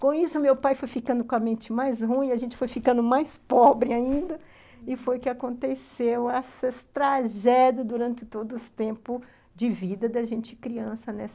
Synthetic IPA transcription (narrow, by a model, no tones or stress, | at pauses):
kõisʊmewpajfojfikɐ̃nd̪ʊkõɐmẽnt͡ʃɪmajsɦũĩɐʒẽnt͡ʃɪ̥fojfikɐ̃nd̪ʊmajspɔbɾɪaĩnd̪ɐ | ɪfojkɪakõnt̪esewɛsɐst̪ɾaʒɛd͡ʒ̪ɐd̪uɾɐ̃nt͡ʃɪt̪od̪ʊzʊst̪ẽmpʊ | d͡ʒɪvid̪ɐd̪ɐʒẽnt͡ʃɪɪkɾiɐ̃sɐnɛs